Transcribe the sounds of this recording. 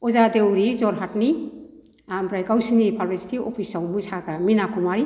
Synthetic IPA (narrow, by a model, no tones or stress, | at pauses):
ɔzadewɾizɔɾɦatni | ambɾajɡawsinipʰalbesi̥tiɔpʰisawmusaɡɾaminakʰumaɾi